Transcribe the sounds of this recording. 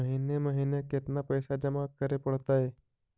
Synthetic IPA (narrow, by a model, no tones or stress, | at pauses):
əɦiːneməɦiːnekɪt̪napəjsad͡ʒəmakəɾepəɽt̪aɦe